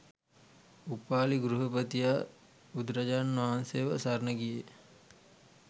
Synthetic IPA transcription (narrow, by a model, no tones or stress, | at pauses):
upaːliɡɾuɦəpət̪ija | ud̪ɾɐd͡ʒaːnʋaɦanseʋəsaɾnəɡije